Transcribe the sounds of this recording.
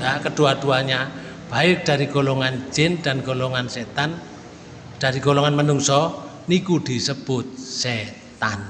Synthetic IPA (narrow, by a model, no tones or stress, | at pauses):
akəd̥uaduaɲa | b̥aɪk̚d̥a̤ɾiɡolɔŋand͡ʒɪnd̥a̤nɡolɔŋanset̪an | d̥a̤ɾiɡolɔŋanmənuŋsɔnikud̪̥i̤səb̥ʊt̪̚se | t̪an